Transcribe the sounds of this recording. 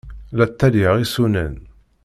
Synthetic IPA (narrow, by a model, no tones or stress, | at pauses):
læt̪ːæliʁisunə̰n